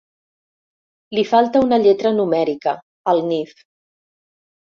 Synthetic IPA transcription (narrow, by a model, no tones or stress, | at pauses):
lifalˠt̪əunəʎɛt̪ɾənumɛɾikə | əlˠnif